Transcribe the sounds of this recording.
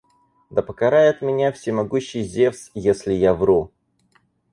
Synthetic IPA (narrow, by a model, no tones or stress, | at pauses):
d̪əpəkɐɾajɪt̪mʲɪnʲafsʲɪmɐɡuɕːɪjzʲeft̪sjesʲlʲɪjavɾu